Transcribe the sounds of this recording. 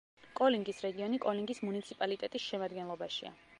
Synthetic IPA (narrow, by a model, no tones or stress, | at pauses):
kʼɔliŋɡisɾɛɡiɔnikʼɔliŋɡismunit̪sʰipʼalit̪ʼɛt̪ʼisʃɛmad̪ɡɛnlˠɔbaʃḭa̰